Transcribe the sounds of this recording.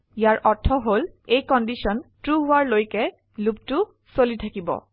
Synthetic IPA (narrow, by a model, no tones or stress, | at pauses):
ijaɹʔɔtʰːɔɦolejkɔndisiɔntɹuɦʊaɹlojkɛ | lup̚tu | solitʰakibɔ̰